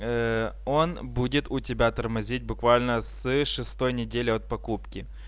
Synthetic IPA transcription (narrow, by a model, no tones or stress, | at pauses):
o̞nbudʲɪt̪ʊtʲɪbʲat̪ɐrmɐzʲit̚ʲbʊkvalʲnəsɨʂɨst̪o̞jnʲɪdʲelʲɪɐt̪̚pɐkupkʲɪ